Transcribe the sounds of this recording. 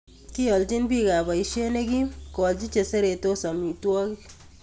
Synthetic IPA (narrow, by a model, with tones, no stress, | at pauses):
ki˦ɔ˨ld͡ʒi˦nbi˦ka˨ba˨i˨˦ʃe˦ne˦ɡi˦kɔ˨ld͡ʒi˦t͡ʃe˨se˦ɾe˨to˦sa˨mi˨twɔ˦ki˦